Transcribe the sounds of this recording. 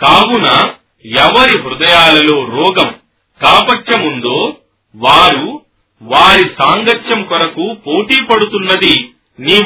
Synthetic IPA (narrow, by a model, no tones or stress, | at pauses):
kaːwunɐ | ɛʋɐɾiɦɾud̪ɐjaːlɐlo̞ːɾɔːɡɐm | kaːpɐʈːɐmund̪o̞ː | ʋaːɾu | ʋaːɾisaːŋɡɐʈʃɐmkɔɾɐkupo̞ːʈiːpɐɽut̪unːɐd̪i | niː